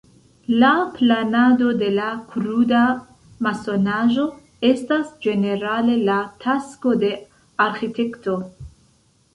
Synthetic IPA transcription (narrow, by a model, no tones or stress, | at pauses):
laplanado̞de̞lakɾuda | maso̞naʒo̞ | e̞stasd͡ʒe̞ne̞ɾale̞latʰasko̞de̞ | aɾxite̞kto